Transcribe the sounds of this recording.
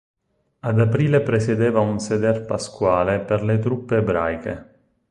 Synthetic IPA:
ad̪apɾiːlepɾesed̪eːvaunsed̪ɛrpaskwaːleperlet̪ɾupːeːbɾa̰jkḛ

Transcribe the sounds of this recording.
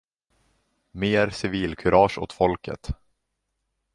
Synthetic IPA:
meːɾsɪviːlkʰɵɾʔɑːʂo̰ːt̪fɔlkʰə̰t̪

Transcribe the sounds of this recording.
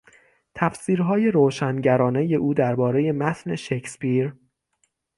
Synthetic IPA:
t̪ʰæfsiːɾɦɒːje̞ɾoːʃænɟæɾɒːne̞je̞ʔuːd̪æɾbɒːɾe̞je̞mæt̪ʰne̞ʃe̞cʰspiɾ

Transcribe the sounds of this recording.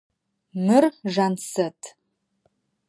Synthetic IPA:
mɨrʒansɐtʰ

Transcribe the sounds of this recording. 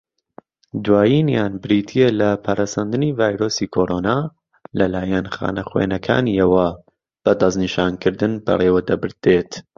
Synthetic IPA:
d̪waːjiːnjaːnbɪɾiːt̪ʰijelɐpʰaɾʔasand̪ɨniːvaːjɾoːsiːkʰoːɾoːnaː | lɐlaːjɐnxa̰ːnɐxwḛːnɐkʰa̰ːniɐwɐ | b̥ɐd̪ɐzniʃaːnkʰɨɾd̪ɨnbɐ̰reːwɐd̪ɐbɨɾd̪eːt̪

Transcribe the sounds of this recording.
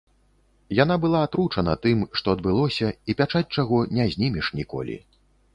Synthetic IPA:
jan̪abɨlˠaːt̪ɾut͡ʂɐnɐt̪ɨmʂt̪ɔɐd̪̚bɨlˠɔsʲɐipʲat͡ʂat͡sʲt͡ʂaɣɔnʲɛzʲnʲimʲiʂnʲikɔ̰lʲḭ

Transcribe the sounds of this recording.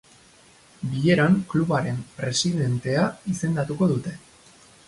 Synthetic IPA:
biʎe̞ɾaŋkluβaɾe̞mpɾe̞siðe̞nt̪e̞aise̞nd̪at̪uko̞ðut̪e̞

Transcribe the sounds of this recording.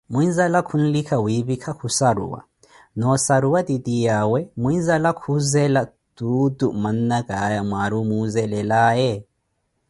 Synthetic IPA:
muinzalakʰun̩likʰawiβikʰakʰusaɾṵwa̰ | nɔsaɾuwadidijawɛmuinzalakʰuzɛla | d̥uduman̩naɡajamwaɾumuzɛlɛlaːjɛ

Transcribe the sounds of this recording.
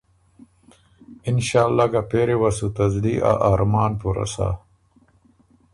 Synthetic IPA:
ɪnɕaːlːaɡapeɾewasut̪ɐzliʔa̰ʔaːɾmaːnpuɾa̰sa̰

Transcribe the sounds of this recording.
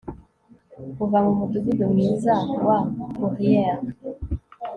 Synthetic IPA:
kuvamumutuɡidomizawakuʁiɛa

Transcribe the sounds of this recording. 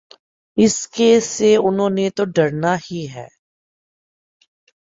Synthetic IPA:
ɪskeseʊnɦõːnet̪oɖɐɾnahiɦɛ̰ː

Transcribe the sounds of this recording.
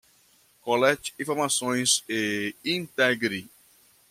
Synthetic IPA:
kolɛt͡ʃĩfoɾmasõj̃zeĩnt̪ɛɡɾi

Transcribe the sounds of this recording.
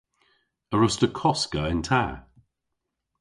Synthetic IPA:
əɹʊstəkʰɔskəɪ̃ntʰa̰ː

